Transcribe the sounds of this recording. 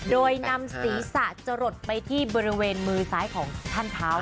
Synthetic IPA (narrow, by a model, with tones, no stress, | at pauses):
doː˧jna˧msiː˩˦sa˨˩ʔt͡ɕa˧ɾo˨˩t̪̚pa˧jt̪ʰiː˥˩bɔː˧ɾi˦˥weː˧nmɯː˧saː˦˥jkʰɔː˩˦ŋt͡ɕʰaː˥˩nt̪ʰaː˦˥w